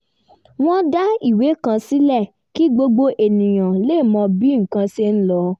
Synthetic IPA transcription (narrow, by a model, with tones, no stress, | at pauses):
w̃ɔ̃˦da˦i˦˨we˨˦˨kã˧si˦lɛ˦˨ | ki˦ɡ͡bo˧ɡ͡bo˧ʔe˨nĩ˨j̃ã˨le˦˨mɔ̃˧bi˦ŋ̩˨kã˧se˧n̩˦lɔ˨˧